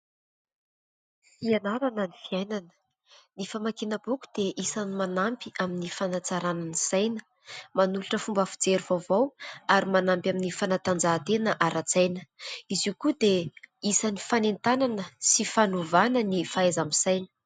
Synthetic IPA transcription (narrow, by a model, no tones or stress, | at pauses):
fianaɾananifiajnanə̥ | nifamakenəbuku̥d̪̥eʔisanimanampiaminifanat͡saɾananisajnə | manuluʈ͡ʂəfumbafi̥d͡zeɾivavawaɾimanambʲaminifanat̪and͡zaːt̪enəʔaɾat͡sajnəiziukud̪eisanifanent̪ananəsifanovanənifaezamisajnə̥